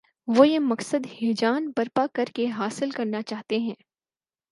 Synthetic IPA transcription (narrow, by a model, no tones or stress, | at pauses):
ʋojemɐqsəd̪heːd͡ʒaːnbɐɾpakɐɾkeɦaːsɪlkɐɾnat͡ʃaːɦt̪eɦɛ̃ː